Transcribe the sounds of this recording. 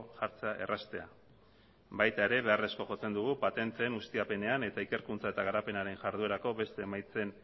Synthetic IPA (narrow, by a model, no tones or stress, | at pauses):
ʝaɾt͡se̞aʔe̞̰rʔast̪e̞a̰ | bajt̪ae̞ɾe̞βe̞are̞sko̞ʝo̞t͡se̞nd̪uɣ̞upat̪e̞nt̪e̞ːnust̪iape̞ne̞ane̞t̪aike̞ɾkunt͡sae̞t̪aɣ̞aɾape̞naɾe̞nʝaɾðue̞ɾako̞βe̞st̪e̞ːmajt͡se̞n